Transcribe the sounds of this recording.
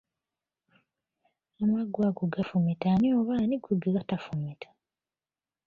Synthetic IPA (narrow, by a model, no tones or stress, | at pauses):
amaɡwaɡuɡafumitanioːβaːniɡuɡeɡatafumitʰḁ